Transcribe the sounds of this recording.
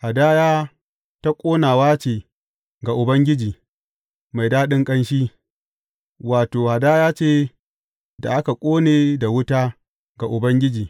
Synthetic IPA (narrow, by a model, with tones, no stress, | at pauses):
ha˨da˦jaː˦ | ta˦kʷʼoː˦naː˨waː˦t͡ʃeː˨ | ɡa˨ʔʊ˨bɐ˦ŋɡʲɪ˦d͡ʒiː˨ | ma˨jdaː˦ɗɪ˦ŋkʼɐ˦nʃiː˦ | waː˨toː˨ha˨daː˦jaː˦t͡ʃeː˦˨ | da̰˨ʔa˦ka˨kʷʼoː˦neː˨da˨wʊ˦taː˦ | ɡa˨ʔʊ˨bɐ˦ŋɡʲɪ˦d͡ʒiː˨